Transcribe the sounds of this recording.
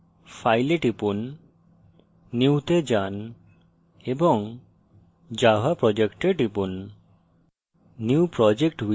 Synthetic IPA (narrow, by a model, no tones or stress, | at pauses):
fʰajleʈipun | iwt̪ed͡ʒan | ebɔŋ | d͡ʒaɦapɾɔd͡ʒekʈeʈipun | iwpɾɔd͡ʒekʈwi